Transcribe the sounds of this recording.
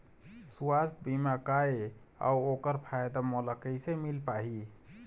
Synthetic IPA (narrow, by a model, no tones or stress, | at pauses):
suwast̪̚bimakae | a̰uokəɾpʰajd̪amɔləkəjsemilpaɦi